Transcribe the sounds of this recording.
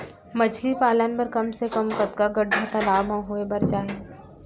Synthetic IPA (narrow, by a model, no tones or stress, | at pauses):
mɐt͡ʃʰlipaːlənpɐɾkɐmsekɐmkət̪kaɡɐɖʱːat̪ɐlaːbʱɦɐ̃ɦoːebɐɾt͡ʃaːɦẽ